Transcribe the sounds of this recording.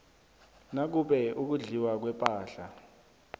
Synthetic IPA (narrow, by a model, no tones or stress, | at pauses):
nak̬uɓɛuk̬uɮiwak̬wɛpʼaːɬa